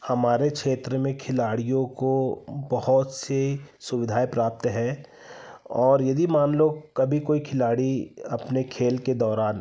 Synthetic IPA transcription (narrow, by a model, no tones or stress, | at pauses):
hɐmaːɾekʃeːt̪ɾəmẽkʰɪlaːɽijõkobɐhʊt̪sesʊʋɪd̪ʱaːepɾaːp̚t̪ɦɛ | ɔːɾjɐd̪ʱimaːnlokɐbʱikoːikʰɪlaːɽiɐpnekʰeːlked̪ɔːɾaːn